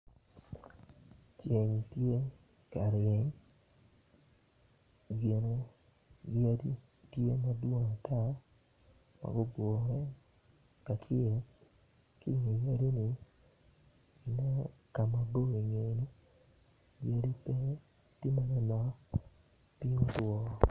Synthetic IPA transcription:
t͡ʃe˨ɲ˨tje˦ | ka˨ɾe˨e˨ɲ | ɡe˨no˨ | jja˦di˦ | tje˦ma˦dwo˦ŋa˨tʰa˦˨ | ma̰˨ɡo˦ɡwo˨ɾɛ˦ | ka˨t͡ʃe˨ | ki˦˨ŋe˨ja˦ɾi˦ni˦˨ | nɛ˦ka˨ma˨bo˦e˨ɲe˨˦ni˦ | je˦ɾi˦pɛ˦ | ti˦ma˦nɛ˦ma˦ | pi˦o˦twɔ˦˨

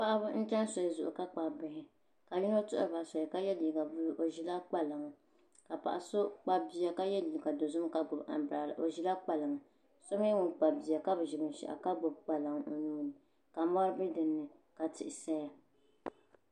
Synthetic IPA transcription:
pa˦ʔa˦bʊ˦n̩˦t͡ʃɛ˦n˦so˨ɛ˨zʊ˨ʔʊ̰˨ka˦k͡pa˨bɪ˨hɪ˨ | ka˨ji˦no˦tʊ˦ʔʊ˨ba˨so˨ɛ˨ka˦jɛ˦li˨ɡa˨bʊ˦lʔo˨ʒi˦la˦k͡pa˦la˨ŋ˦ | ka˨pa̰˨ʔa˨so˦k͡pa˦bi˦ja˨ka˦jɛ˦liː˨ɡa˨do˨zʊ˦m˦ka˨ɡʊ˨ba̰˨m˨bɾa˨lʔo˨ʒi˦la˦k͡pa˨lɨ˨ŋ˨ | so˦m˦ɛ˦wʊ˦˨nk͡pa˨bi˨a˨ka˦bɨ˨ʒɪ˨bɨ˨n˨ʃɛ̰˨ʔa̰˨ka˦ɡ͡bo˨b̚k͡pa˨la˨ŋ˦o˨nuː˦nɨ˨ | ka˨ma˦ɾɨ˦bɨ˦dɨ˨nːɨ˨ka˨tɪ˨ʔɪ˨sɛ˦ja˨

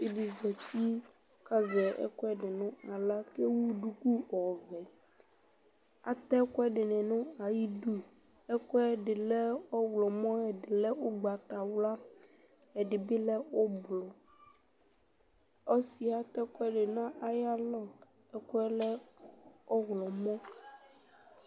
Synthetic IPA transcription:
e˦ɖi˨zɛ˨t̪i˦ | ka˦zɛ˨ɛ̰˦kɔ˦ɛ˦ɖɪ˨nũ˦a˨la˦ke˦wu˦ɖu˦ku˦ɔ˨vɛ˨ | a̰˨t̪ɛ˦kɔ˦ɛ˦ɖɪ˨nɛ̃˨nũ˦a˨ji˦ɖu˦ | ɛ˦kɔ˦ɛ˦ɖɪ˨lɛ˦wɔ˦wlɔ˨mɔ̃˦ɛ˨ɖɪ˨lɛ˦wo˦ɡ͡ba˨t̪a˨wla˦ | ɛ˨ɖɪ˨bi˦lɛ˦wo˦blɔ˨ | ɔ˦si˨a˦t̪ɛ˦kɔ˦ɛ˦ɖɪ˨nã˦ʔa˨ja˦lɔ˦ | ɛ˦kɔ˦ɛ˦lɛ˦ | ɔ˦wlɔ˨mɔ̃˦

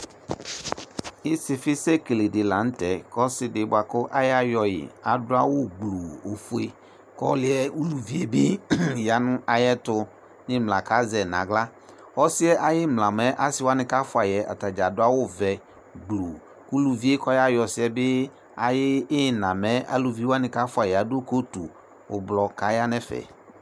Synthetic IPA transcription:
ɪ˦sɪ˨fɪ˦sɛ˦ke˨le˨dɪ˨lã˨n̩˦tɛ˨kɔ˦sɪ˨dɪ˨˦bʊ˦˨a˨kʊ˦ʔa˦ja˦jɔ˨jɪ̰˨a˨dʊ˦a˦wʊ˦ɡ͡blu˨o˨fu˦e˦ | kɔ̰˦lɪ˦ɛ˦u˦lu˨vi˦e˦bɪ˦˨ja˨nʊ˦a˨jɛ˦tʊ˨ | nɪ̃˦mla˨ka˨˦zɛ˨nã̰˨ɡla˦ | ɔ˦sɪ˦ɛ˦ʔa˨jɪ˦mla˨mɛ˦ʔa˦sɪ˦wa˦nɪ̃˨ka˦fʊ˨˦a˨jɛ˨ʔa̰˨ta˨d͡ʒa˨dʊ˦a˦wʊ˦vɛ˨ | ɡ͡blu˨ | ku˦lu˨vi˦e˦kɔ˦ja˦jɔ˨sɪ˦ɛ˦bɪ˦ | a˨jɪː˦˨nã˨mɛ˦a̰˨lu˨vi˦wa˦nɪ̃˨ka˦fʊ˦a˨jɛ˨a˨do˦ko˦tu˨ | ʊ˨blɔ˨ka˨˦ja˦nɛ˦fɛ̰˨

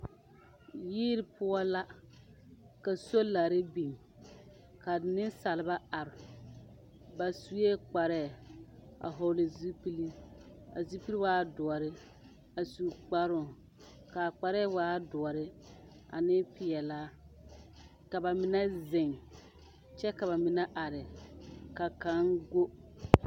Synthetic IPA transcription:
jiː˦ɾɪ˦pʰʊ˦ɔ˦la˦ | ka˨so˦la˨ɾɪ˦bi˨m | ka˨nɪ˦sa˨lɪ˨ba˦a˨ɾɪ˨ | ba˨su˨˦e˦k͡pa˨ɾɛː˦˨a̰˨ɦɔ˨lɪ˨zi˦pi˦li˦ | a̰˨zi˦pi˦li˦waː˦dɔ˨ɔ˨ɾɪ˦ | a˨su˨k͡pa˦ɾʊ˨ | ka˨k͡pa˨ɾɛː˦waː˦dɔ˨ɔ˨ɾɪ˦ | a̰˨nɪ˦pɪ˨ɛ˨laː˦ | ka˨ba˨mɪ˨nɛ˦zɪ˨ŋ | t͡ʃɛ˦ka˨βa˨mɪ˨nɛ˦ʔa˨ɾɪ˨ka˨ka˨˦ŋɡo˦

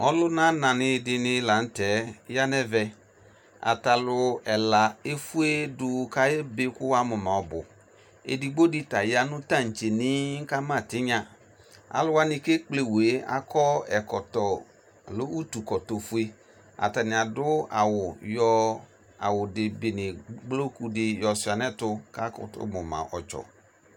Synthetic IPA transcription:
ɔ˦lʊ˦nã˦nã˨nɪ˨dɪ˧nɪ˦la˨n̩˦tɛ˨˦ja˦nɛ˦vɛ˨ | a̰˨ta˨lʊ˧ɛ˨la˨e˦fu˦e˦dʊ˦ka˦jɛ˦be˦kʊ˦wa˦mʊ˨mã˨ɔ˨bʊ̰˨ | ḛ˨di˨ɡ͡bo˦dɪ˦ta˨ja˨nʊ˦ta˦˨n̩˨t͡ʃe˨nɪ˦ŋ̩˦ka˦mã˦˨tɪ˦ɲã˨ | a̰˨lʊ˦wa˦nɪ˨ke˦k͡ple˨we˨˦a̰˨kʰɔ˦ɛ˨kɔ˨tɔ˨ | lo˦u˦tu˨kɔ˨to˨fu˦e˦ | a̰˨ta˨nɪ̃˨a˨dʊ˦a˨wʊ˨jɔ˦ | a̰˨wʊ˨dɪ˨bɪ˨nɪ˨ɡ͡blo˦ku˦dɪ˦jɔ˨sʊ˨a˨nɛ˦tʊ˦ka˦kʊ̰˨tʊ̰˦mʊ˨mã̰˨ʔɔ̰˨t͡ʃɔ̰˨

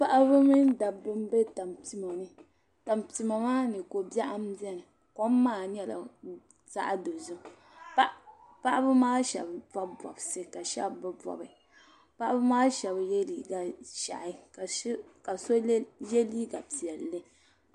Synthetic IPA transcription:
pa˦ʔa˦bɨ˦mɨ˦n˦da˨bɨ˦m˦be˦ta˨mti˨ma˨nɨ˦ | ta˨mti˨ma˨maː˦nɨ˨ko˨bɛ˦ʔa˦m˦bɛ˦n˨ | ko˦mː˦aː˦˨ɲɛ˦la̰˨ | za̰˦ʔa˦do˨zʊ˦ | pa˦ʔa˦bɨ˦maː˦ʃɛ̰˨bba˦bɔ̰˨bsɨ˦ka˨ʃɛ̰˦bbɨ˦bɔ̰˨bɨ˨ | pa˦ʔa˦bɨ˦maː˦ʃɛ˨bjɛ˦li˨ɡa˨ʃa̰˨ʔɪ˨˦ | ka˨so˦jɛ˦liː˦ɡa˨pi˨ɛ˨llɨ˦

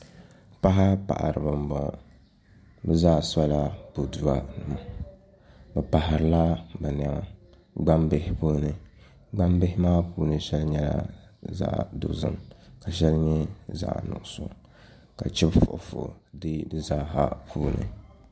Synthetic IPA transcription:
pa˦ɦa˦pa̰˨ʔa̰˨ɾɨ˨bɨ˨mbɔ˨ | bɨ˦zaː˦˨sa˦la˦po˨du˨a˨mu˨ | bɨ˨pa˨ha˨ɾɨ˨la˦bɨ˨n˨a˨ŋ˨ | ɡ͡ba˦mbe˦hɪ˦puː˦nɨ˨ | ɡ͡ba˦mbe˦ɦɪ˦maː˦puː˦nɨ˨ʃɛ˦lɲɛ˦la̰˦za̰˦ʔdʊ̰˨zɨ̰˨mka˨ʃɛ˦lɲɛ˦za̰˦ʔnʊ̰˨ʔso̰˨ | ka˨t͡ʃɛ˦bfo˨ʔfʊ̰˨dɨ˦dɨ˦zaː˦ɦa̰˦pʰuː˦nɨ̰˨

